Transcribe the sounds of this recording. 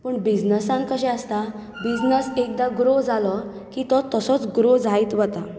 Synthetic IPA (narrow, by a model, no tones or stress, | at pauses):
pəɳbid͡znəsãnkəɕɛəst̪a | bid͡znəsek̚d̪aɡɾod͡zalɔ | kiːt̪ɔt̪əsɔt͡sɡɾod͡zʱait̪ʋət̪a